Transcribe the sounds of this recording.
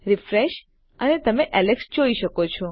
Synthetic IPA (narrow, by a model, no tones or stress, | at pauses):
ɾifɾeʃ | ənet̪əmeʔɛleksd͡ʒoiʃəkot͡ʃʰɔ